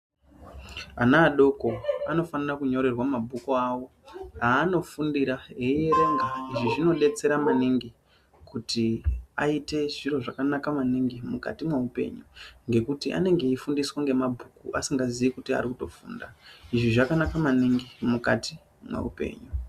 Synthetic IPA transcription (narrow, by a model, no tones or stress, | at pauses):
anaːɗo̞ko̞ano̞fanirakuɲo̞ɾe̞rwamabʱukuawo̞ | ɦaːno̞fundiɾaɦeijeɾe̞ŋɡaiʐiʐino̞ɗe̞t͡se̞ɾamaniŋɡi | kutia̰ite̞ʐiro̞ʐakanakamaniŋɡimuka̰timwaupe̞̰ɲuŋɡe̞kutiʔa̰ne̞ŋɡe̞ifundiswaŋɡe̞mabʱukuʔa̰siŋɡaziʋikutia̰rikuto̞fṵːndaiʐiʐakanakamaniŋɡimukati | mwa̰ṵpe̞̰ːɲu